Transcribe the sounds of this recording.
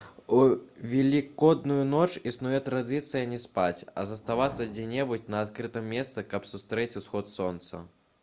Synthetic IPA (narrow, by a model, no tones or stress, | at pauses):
uvʲɛlʲikɔd̪nujunɔt͡ʂisnujɛt̪ɾad̪ɨt̪sɨjɐnʲɛspat͡sʲɐ̰zɐst̪avat̪sːɐd͡zʲɛnʲɛbut͡sʲnɐːt̪kɾɨt̪ɨmːʲɛst̪sɨkɐpsust̪ɾɛt͡sʲusxɔt̪sɔnt̪sɐ̰